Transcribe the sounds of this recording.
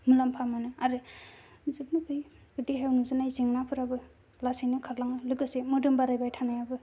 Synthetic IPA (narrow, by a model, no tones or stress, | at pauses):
mulampʰamanɯaɾɯ | zɯp̚nɯpʰɯjɡɯdiɦewnuzɯnajziŋnapʰɯɾabɯ | lasijnɯkʰaɾlaŋɯlɯkɯsemɯdɯmbaɾajbajtʰanajabɯ